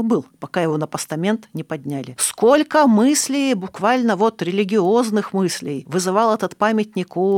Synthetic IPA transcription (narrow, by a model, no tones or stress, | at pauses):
bɨlˠpɐkajɪvo̞nəpəst̪ɐmʲe̞nt̪nʲɪpɐd̪ʲnʲælʲɪskolʲkəmɨsʲlʲɪjbʊkvalʲnəvo̞t̪ɾʲɪlʲɪɡʲɪoznɨxmɨsʲlʲɪjvɨzɨvɑlˠɛt̪ət̪pamʲɪtʲnʲɪku